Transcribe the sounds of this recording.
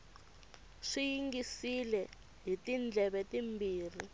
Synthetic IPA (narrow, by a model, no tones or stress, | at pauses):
ʂijiŋɡisilɛ | ɦitind͡ɮʱɛβɛtimbiːr̤i